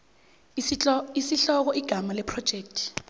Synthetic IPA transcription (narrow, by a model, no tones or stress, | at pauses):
isiɬɔk̬ɔʔiɡ̥ʱamalɛpʰrɔ̥ʒ̥ʱeːk̚tʰ